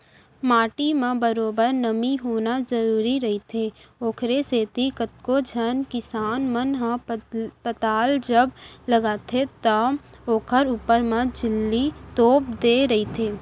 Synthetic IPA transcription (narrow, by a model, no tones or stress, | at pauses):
maːʈimãbəɾoːbəɾnəmiɦoːnazəɾuːɾiɾɐɦit̪ʰeːoːkʰɾeseːt̪ikət̪̚kod͡ʒʱənkɪsaːnmənɦãpət̪aːld͡ʒəbləɡaːt̪ʰet̪ɐoːkʰəɾuːpəɾmãd͡ʒɪlːit̪oːp̚d̪eːɾɐɦit̪ʰeː